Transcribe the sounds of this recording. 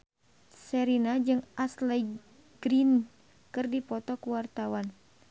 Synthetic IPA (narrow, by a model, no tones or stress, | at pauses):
sɛɾinad͡ʒɨŋʔaslɛj | ɡ̥ɾin | kɨrdipɔt̪ɔkuwart̪awan